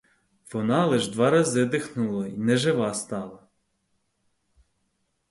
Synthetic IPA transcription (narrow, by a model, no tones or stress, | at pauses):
ʋɔnɑlˠɛʒd̪ʋɑɾɐzɪd̪ɪxnʊlˠɔinɛʒɪʋɑst̪ɑlˠɐ